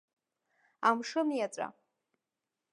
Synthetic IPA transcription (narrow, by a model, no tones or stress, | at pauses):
amʂɨmjat͡sʷʼa̰